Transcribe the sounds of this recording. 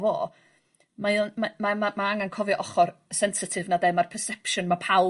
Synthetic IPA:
vo̰ː | maɪnmamamamaaŋankʰɔvjʔɔχɔrsɛnsɪtʰɪvnadɛmarpʰɛrsɛpʃɔnmapʰa

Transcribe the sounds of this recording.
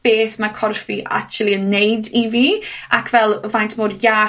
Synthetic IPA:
b̥eːθmakʰɔrfiʔa̰kt͡ʃlˠiənːejdiviːakʰvɛlˠəvajntʰmorjaː

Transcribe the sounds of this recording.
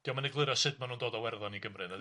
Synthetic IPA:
d̥iɔmanɛɡlˠɨɾɔsɨd̚manuːndoːdawɛrðɔniɡəmrɨnvɛ

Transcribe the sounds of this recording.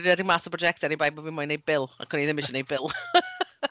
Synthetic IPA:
dɛdɪmasəpʰrɔd͡ʒɛktɛɾibajbɔwinmɔjnejbɪlˠa̰kʰʊniðɪmɪʃənejbɪlˠ

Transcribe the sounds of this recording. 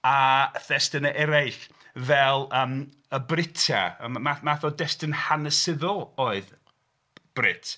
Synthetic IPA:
aθɛstɪnəʔɛɾajɬ | vɛlˠəːm | əbrɪtʰa̰mamaθɔdɛstɪnhanəsɪðɔlˠoːɨð | b̥rɪ̰tʰ

